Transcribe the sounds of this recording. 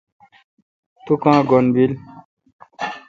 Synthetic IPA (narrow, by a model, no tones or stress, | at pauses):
t̪ukãːɡonbil